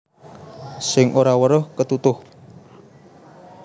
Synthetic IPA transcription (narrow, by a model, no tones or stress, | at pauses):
sɪŋʔoɾawəɾʊhkət̪ut̪ʊh